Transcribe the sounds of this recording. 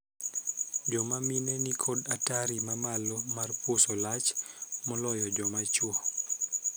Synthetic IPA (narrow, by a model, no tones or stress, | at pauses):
d͡ʒɔmaminenikʰodataɾimamalɔmarpwosɔlat͡ʃmɔlɔjɔd͡ʒɔmat͡ʃwɔ